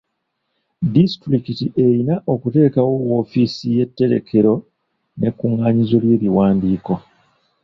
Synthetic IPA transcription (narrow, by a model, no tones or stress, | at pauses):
distɾikitiʔejinaʔo̞kute̞ːkawo̞wo̞ːfiːsije̞tːe̞ɾe̞̰kʰe̞ɾo̞ | ne̞kːuŋaːɲizo̞lje̞ːliwaːndiːko̞